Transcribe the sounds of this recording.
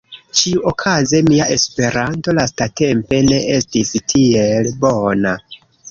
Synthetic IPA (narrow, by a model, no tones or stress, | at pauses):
t͡ʃiuʔokʰaze̞miaʔe̞spe̞ɾanto̞lastate̞mpe̞ne̞ʔe̞stistʰie̞lbo̞na